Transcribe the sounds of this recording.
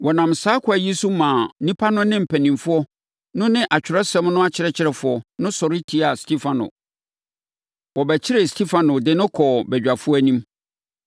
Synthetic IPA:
wɔ˨nã˨msaː˦kʰʊ˦æ˨ji˦su˦mã˨nĩ˦pʰa˦nʊ̃˦nɪ̃˦m̩˨pʰæ˨nĩ˨mfʊ˦ɔ˦ | nʊ̃˦nɪ̃˦ʔa˨t͡ɕᶣɪ˨ɾɛ˦sɛ̃˦mnʊ̃˦a˦t͡ɕʰɪ˨ɾɛ˨t͡ɕʰɪ˨˦ɾɛ˨fʊ˨˦ɔ˨nʊ̃˦sɔ˨ɾɪ˦tʰi˨˦a˨stʰi˦fã˨nʊ̰̃˨ | wɔ˨bɛ˨t͡ɕʰɪ˦ɾɛ˨stʰi˦fã˨nʊ̃˨dɪ˨nʊ̃˦kʰɔ˨bɛ˨d͡ʑᶣa˨fʊ˦æ˦nĩ˦m

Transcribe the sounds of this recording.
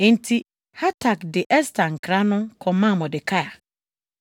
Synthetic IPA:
ẽ˦n̩˦tʰi˦ | ha˦tʰa˨kdɪ˨ʔɛ˦stʰã˨ŋ̩˨kʰɾa˦nʊ̃˦kʰɔ˨mã˦˨mɔ̃˨dɪ˨kʰa˦a˨

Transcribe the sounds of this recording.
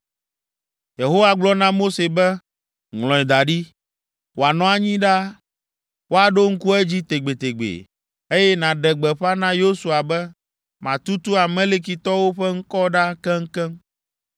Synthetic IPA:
je˨ɦo˦wa˦ɡ͡blɔ˦nã˦mo˦se˨bɛ˦ | ŋlɔ̃˨ɛ˨d̪a˨ɖi˦ | wo˨a˨nɔ̃˨˦a˨ɲĩ˦ɖa˦ | wo˦a˨ɖo˦ŋ̩˦ku˦ɛ˦d͡ʑi˦t̪e˨ɡ͡be˨t̪e˨ɡ͡bḛ˨ | e˦jɛ˦nã˨ɖɛ˨ɡ͡bɛ˨ɸa˦nã˦jo˦su˨a˨bɛ˦ | mã˨t̪u˦t̪u˦a˨mẽ˦le˦k̬i˨t̪ɔ˦wo˦ɸɛ˦ŋ̩˦kɔ˦ɖa˦kɛ˦ŋ̩˦kɛ˦m

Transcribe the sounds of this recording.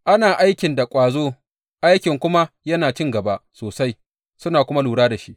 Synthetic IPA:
ʔa˦naː˨ʔa˦jkʲɪ˨nda˨kʷʼaː˨zoː˦ | ʔa˦jkʲɪ˨ŋkʷʊ˦ma˦jɐ˦naː˨t͡ʃɪ˦ŋɡɐ˨ba˦ʔsoː˨sa˦j | sʊ˦naː˨kʷʊ˦ma˦luː˨ɽaː˦da˨ʃi˦ʔ

